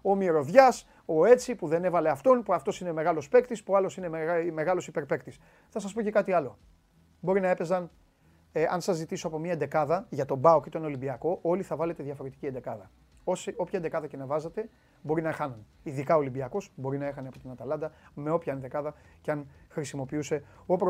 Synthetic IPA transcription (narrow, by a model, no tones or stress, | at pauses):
o̞mieɾo̞ðʝɐs | o̞e̞t͡sipuðe̞ne̞vɐle̞ɐft̪o̞npuɐft̪o̞sine̞me̞ɣɐlo̞spe̞kt̪ispuɐlo̞sine̞me̞ɣɐlo̞sipe̞ɾpe̞kt̪is | θɐs̬ɐs̬poce̞kɐt̪iɐlo̞ | bo̞ɾinɐe̞pe̞zɐn | eʔɐnsɐzːit̪isoɐpo̞mɲiɐend̪e̞kɐðɐʝɐt̪o̞bɐoket̪oineo̞libiɐko̞ʔo̞liθɐvɐle̞t̪e̞ðʝɐfo̞ɾe̞t̪iciend̪e̞kɐðɐ | osio̞pçɐend̪ekɐðɐcenɐvɐzɐt̪e̞ | bo̞ɾinɐxɐnun | iðikɐo̞libiɐko̞sbo̞ɾinɐe̞xɐneɐpo̞t̪onɐt̪ɐlɐnd̪ɐme̞o̞pçɐend̪e̞kɐðɐceɐnxɾisimo̞piuse̞opɾ